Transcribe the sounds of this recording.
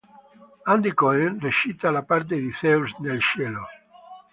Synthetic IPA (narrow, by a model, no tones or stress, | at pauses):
and̪ikɔenreʃit̪alapaɾt̪̬ed̪iθeusnelt͡ʃɛːlo